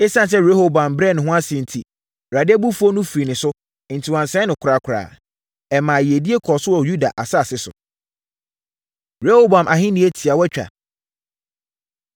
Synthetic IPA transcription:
ɪ˦sã˦n˨s̬ɛ˦ɾe˦ho˦bã˨mbɾɛ˦˨nɪ̃˨ɦʊ̃˦a˦sɪ̃˨n̩˨tʰi˨ | ɾa˨dɪ˦ɛ˦bu˦fu˦ɔ˦nʊ̃˦fɾi˨nɪ̃˨sʊ˦ | n̩˨tʰi˨wã˨nsɛ̃˦nʊ̃˨kʰʊ˨ɾa˨kʰʊ˨ɾa̰ː˨ | ɛ˨mãː˨jɪ˨e˨di˦e˦kʰɔ˨sʊ˦wɔ˨ju˦da˨ʔa˨sa˦˨sɪ˦sʊ̰˨ | ɾe˦ho˦bã˨mʔa˨ɦɪ̃˦nĩ˨˦e˦tʰi˨a˨wɛ˦t͡ɕᶣa̰˨

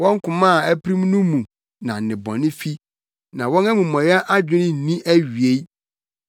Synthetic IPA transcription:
wɔ̃˦ŋ˦kʰʊ̃˨mãː˦˨æ˦pɾĩ˦m˦nũ˦mũ˨ | nã˨nɪ̃˨bɔ̰̃˨nɪ̃˦fi˦ | nã˨wɔ̃˦nɛ˦mũ˨mɔ̃˨jɛ˦ʔa˦d͡ʑᶣɪ̃˦nɪ̃˦˨nĩ˦ʔæ˦ɥɥe˦

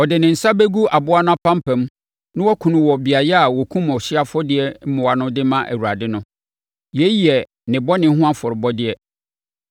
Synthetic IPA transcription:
ɔ˨dɪ˨nɪ̃˨n̩˨sa˦be˦ɡu˦a˨bʊ˦a˦nʊ̃˦a˦pʰã˦m˦pʰɛ̃˨m˦ | nʊ̃˦wɔ˦kʰũ˨nʊ̃˨wɔ˨bɪ˨a˨jɛ˦a˨wɔ˨kʰũ˦m˨ɔ˨ɕɪ˦a˦fɔ˦dɪ˦ɛ˦m̩˦mʊ̃˨wa˨nʊ̃˦dɪ˦mã˦ʔæ̰˨wu˨ɾa˨dɪ˦nʊ̃˦ | jɛ˦ji˨ɛ˨ | nɪ̃˨bɔ˦nɪ̃˨˦ɦʊ̃˦ã˦fʊ˨ɾɪ˨bɔ˦dɪ˦ɛ˦

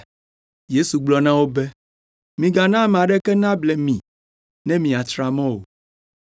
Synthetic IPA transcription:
je˦su˨ɡ͡blɔ˨nã˦wo˦bɛ˦ | mĩ˨ɡa˨nã˦m̃˨a˨ɖɛ˦kɛ˦nã˦blɛ˨mĩ˨ | nɛ̃˦mĩ˨a˨t̪ɾa˨mɔ̃˦wo̰˨

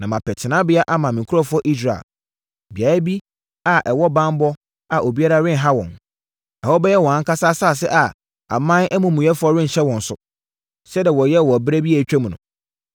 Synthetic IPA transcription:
nã˨mã˨pʰɛ˨tʰɪ˨nã˦bɪ˦a˦ʔa˦mã˨mĩ˨ŋ˨kʰʊ˦ɔ˦fʊ˦ɔ˦ʔi˦s̬ɾa̰˨ | bi˨a˨˦bi˦ | a˨ʔɛ˨wɔ˦bã˦m˦bɔ˦ | a˨ʔo˨bi˦a˦ɾa˦ɾɪ̃˦n˨ɦa˦wɔ̰̃˨n | ɛ˨hɔ˦bɛ˦jɛ˦wɔ̃˨ã˨˦ŋ˦kʰa˦sa˦saː˦˨s̬ɛ̰˦ʔa˨ | a̰˨mã˦ɛ˦mũ˨mũ˨ɛ˦fʊ˨˦ɔ˦ɾɪ̃˦n̩˨ɕɛ˦wɔ̃˨n̩˨sʊ˨ | sɛ˦da˨wɔ˨jɛ˦˨wɔ˨æ˨bɾæ˦bi˦ɛ˨t͡ɕᶣɛ˦m˨nʊ̰̃˨

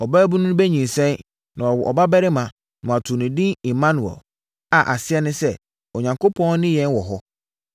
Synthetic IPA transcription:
ɔ˨bæ˦bu˦nʊ̃˦bæ˦ɲĩ˨n˨sɛ̃˦n | nã˨ɔ˨wɔ˨ʔɔ̰˨ba˦bæ˦ɾɪ˦mã˨ | nʊ̃˨a˨tʰʊ˨nɪ̃˨dĩ˦ɪ̃˨mːã˦nʊ̃˨wɔ̰˨ | a˨ʔa˨sɪ˦ɛ˦nʊ̃˦sɛ˦ | ɔ˨ɲã˨ŋko˦pʰɔ̃˦n˦nɪ̃˦jɛ̃˦nwɔ˨ɦɔ˦

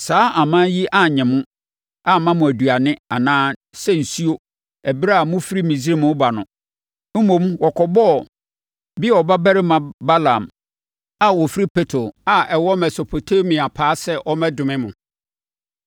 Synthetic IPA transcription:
saː˨˦ʔa˨mã˦ji˦ʔa˦ɲɛ̃˨mʊ̃˦ | a˦mã˦mʊ̃˨æ˨du˨a˨nɪ̃˦a˨nãː˦sɛ˦n̩˨su˦o˦ | ɛ˨bɾa˦a˨mʊ̃˦fi˦ɾi˦mĩ˨zi˦ɾe˦mʊ̃˦ba˨nʊ̃˨ | m̩˦mõ˨mwɔ˨kʰɔ˨bɔ˦˨ | bi˦ɔ˨ba˦bæ˦ɾɪ˦mã˨ba˦lã˨m | a˦wɔ˨fi˦ɾi˦pʰɛ˦tʰɾo˨a˦ɛ˨wɔ˦mɛ˨so˨pʰo˨tʰe˦mĩ˨a˨pʰaː˨˦sɛ˦ʔɔ˦mɛ̃˦dʊ̃˨mɪ̃˦mʊ̃˨

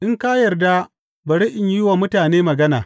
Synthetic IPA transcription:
ʔɪ˦ŋkaː˦jɐ˨rda˦ | bɐ˨ɽi˦ʔɪ˨ɲjɪ˦waː˨mʊ˦taː˨neː˦mɐ˨ɡɐ˦na̰ː˨

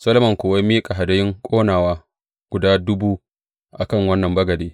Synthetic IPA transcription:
sɐ˦lmɐ˨ŋkʷoː˨wɐ˦jmiː˦kʼa˨ɦa˨dɐ˦jɪ˦ŋkʷʼoː˦naː˨waː˦ | ɡ̥ʷʊ˨daː˦dʊ˦buː˦ | ʔa˨kɐ˦˨ŋwɐ˦nːɐ˨mbɐ˦ɡɐ˨deː˦

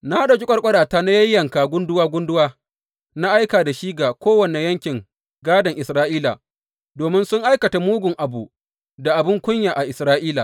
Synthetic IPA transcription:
na˦ha˦da˨d͡ʒʊ˦kʷʼɐ˦rkʷʼɐ˦ɽaː˨taː˦na˦jɐ˦jːɐ˨ŋkaː˨ɡʷʊ˦ndʊ˦waː˦ɡʷʊ˦ndʊ˦waː˦ | na˦ʔa˦jkaː˨da˨ʃiː˦ɡaː˨kʷoː˦wɐ˨ne˨jɐ˦ŋkʲɪ˨ŋ | ɡaː˦dɐ˨ŋʔɪ˨sɾaː˦ʔiː˦laː˨ | doː˨mɪ˦nsʊ˦ŋʔa˦jkɐ˨ta˨muː˦ɡʷʊ˨ŋʔa˨bṵ˨ | da˨ʔa˨bɪ˦ŋkʷʊ˦ɲjaː˨ʔa˨ʔɪ˨sɾaː˦ʔiː˦la̰ː˨

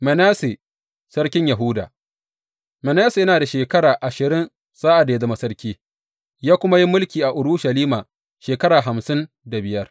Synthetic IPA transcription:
mɛ˨naː˦se˨ | sɐ˦ɾkʲɪ˦ɲja˨ɦʊ˦da̰ː˨ | mɛ˨naː˦se˨jɐ˦naː˨da˨ʃeː˨kɐ˦ɾaː˨ʔa˨ʃɪ˨ɾɪ˦n | saː˦ʔa˨da˨ja˦zɐ˦ma˦sɐ˦ɾkʲiː˦ | jaː˦kʷʊ˦ma˦ji˦mʊ˦lkʲiː˨ʔa˨ʔʊ˨ɽu˦ʃɐ˨liː˦maː˨ | ʃeː˨kɐ˦ɾaː˨ɦa˨msɪ˦n | da˨bɪ˨jɐ˦r

